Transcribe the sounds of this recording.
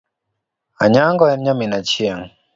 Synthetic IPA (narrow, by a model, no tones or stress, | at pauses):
aɲaŋɡɔaɲaminat͡ʃiaŋ